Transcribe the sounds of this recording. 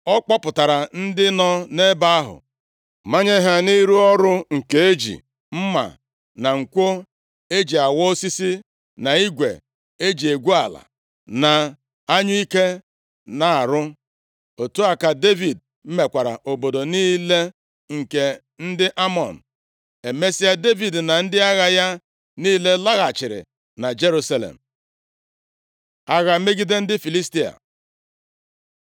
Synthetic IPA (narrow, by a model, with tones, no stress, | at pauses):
ɔ˦k͡pɔ˦pʊ˨ta˨ɾa˨n̩˦dɪ˦nɔ˦ne˦ba˦a˦ɦʊ̰˨ | ma˦ɲe˦ɦa˦ni˦ɾu˦ɔ˦ɾʊ˦ŋ̩˨ke˨e˦d͡ʒḭ˨ | m̩˦ma̰˨ | na˨ŋ̩˨kʷo˦ | e˦d͡ʒi˨a˨wɔ˦si˦si˦ | na˨i˦ɡʷḛ˨ | e˦d͡ʒi˨e˨ɡʷu˦a˨la̰˨ | na˨ | a˦ɲʊ˦i˦ke˦ | na˨a˨ɾʊ˦ | o˨tu˦a˨ka˨de˦vi˨d̚ | m̩˦me˨kʷa˨ɾa̰˨ʔo˨bo˨do˨niː˦le˦ | ŋ̩˨ke˨ | n̩˦dɪ˦ʔa˦mɔ˨n̩˨ | e˨me˦si˦a˦de˦vi˨dna˨n̩˦dɪ˦a˦ɣa˦ja˦ | niː˦le˦la˦ɣa˨t͡ʃɪ˨ɾɪ̰˨ | na˨d͡ʒe˦ɾu˦sa˦lḛ˨m̩˨ | a˦ɣa˨˦me˦ɡi˦de˦n̩˦dɪ˦fi˨li˦sti˦a̰˨